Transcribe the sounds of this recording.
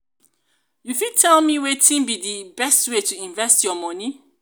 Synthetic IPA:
jufid̚tʰɛlmiwetĩnbidibɛstwetuĩnvɛstjɔmɔ̃nĩ

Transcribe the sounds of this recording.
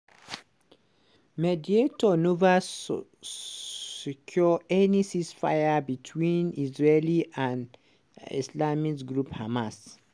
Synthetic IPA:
medietɔnova | sikʰjɔɛnisisfa̰jabitʰwĩnisɹeliʔãn | ḭslamikɡɹuphamas

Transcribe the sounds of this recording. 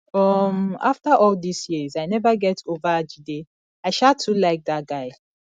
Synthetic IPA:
ɔma̰ftaʔɔldisjizaɪnɛvəɡɛtʰovəd͡ʒide | aɪʃatʰːulaɪk̚dðat̚ɡ̥aɪ

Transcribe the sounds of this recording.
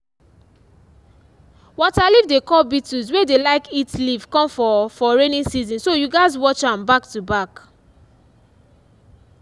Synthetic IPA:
wɔtalivdekɔlbituzwedelaɪkitliv̥kɔ̃mfɔfɔɹenĩsizĩnsojuɡaɪzwɔt͡ʃãmbak̚tubak

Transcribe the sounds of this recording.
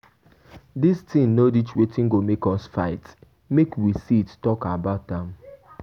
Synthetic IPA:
distʰĩmnodit͡ʃwetĩŋ̩ɡomekɔsfaɪt | mekwisittɔkabaʊt̚ãm

